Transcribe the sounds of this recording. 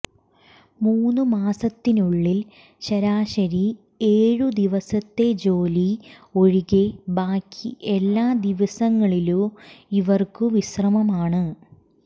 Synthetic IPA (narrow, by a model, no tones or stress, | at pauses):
muːnːɨmaːsɐt̪ːinuɭːil | ɕɐɾaːɕɐɾi | eːɻud̪iʋɐsɐt̪ːe̞d͡ʑo̞ːlio̞ɻiɣebaːkʰːiʔelːaːd̪iʋɐsɐŋːɐɭiluiʋɐrkɨʋisrɐmɐmaːɳɨ